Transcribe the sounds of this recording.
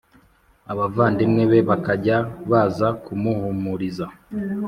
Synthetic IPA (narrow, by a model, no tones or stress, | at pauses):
aβavaːndimŋeβe̞βakaɟaβaːzakumuhumuɾiza